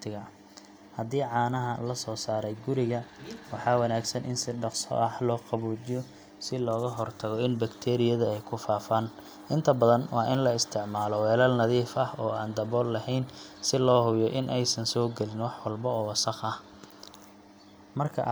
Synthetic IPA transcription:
t̪ʰɪɣɐ | hɐðiːʕɑːnɐɦɐlɐsɔːsaːɾɛjɡʊɾɪɣɐwɑħɑːwɐnaːɡsɐnʔɪ̰nsɪɖɑqsɔ̰ʔɐħlɔːqɑβuːt͡ʃɪjɔ | sɪlɔːɣɐɦɔrt̪ʰɐɣɔɪnbɐkt̪ʰɛːɾɪjɐðɐɛjkʰʊfaːfɐn | ʔɪnt̪ʰɐbɐðɐnwɑːʔɪnlɐɪst̪ʰɪʕmaːlɔwɛːlɐlnɐðiːfɐhɔːaːnd̪ɐβɔːlːɐɦɛjnsɪlɔːɦʊjɔʔɪnʔɛjsɐnsɔːɡɛlɪnwɑħwɐlbɔɔːwɑsɑqɐh | mɐrkʰɐ̰

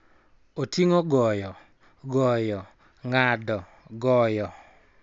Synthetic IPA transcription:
otiŋɔɡɔjɔ | ɡɔjɔ | ŋadɔ | ɡɔjɔ

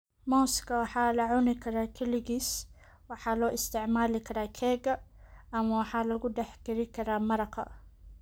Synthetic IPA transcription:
moːskawħaːlaʕunikɾakiliɡis | waħalaʔɪst̪ɪʕmaːlɪkɾakʰeːɡaʔamawaħalaɡud̪aħkiɾikɾamɑɾˤɑqɑ̰

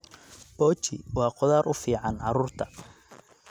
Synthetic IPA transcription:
b̥ɔːt͡ʃɪwɑːqɔðaːɾʔʊfiːʕɑnʕɑɾuːrt̪ʰɐ

